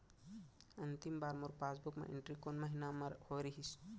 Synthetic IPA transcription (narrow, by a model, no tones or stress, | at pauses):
ɐnt̪imbaːɾmuɾpaːsbukmḛʔɪ̰ɳʈɾikonməɦinamɐɾhoɾiɦis